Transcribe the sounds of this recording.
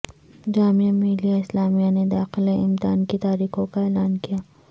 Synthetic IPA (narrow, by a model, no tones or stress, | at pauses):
d͡ʒaːmijamiːlijaɪslaːmijaned̪aːxɪleɪmt̪aːnkit̪aːɾiːxõkaeːlaːnkijaː